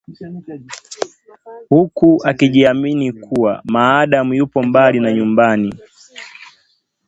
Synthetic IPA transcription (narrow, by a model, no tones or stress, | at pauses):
hukuakiʄiaminikʰuwa̰maːɗamujupɔmbalinaɲumbani